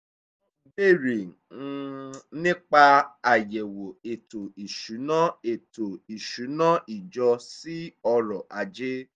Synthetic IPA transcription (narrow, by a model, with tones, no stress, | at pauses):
be˦˨ɾi˨˧ | nĩ˦k͡pa˧a˨jɛ˨wo˨e˨to˨i˨ʃu˨˦nã˦e˨to˨i˨ʃu˨˦nã˦ʔi˨d͡ʒɔ˧si˦ɔ˧ɾɔ˨ʔa˨˧d͡ʒe˦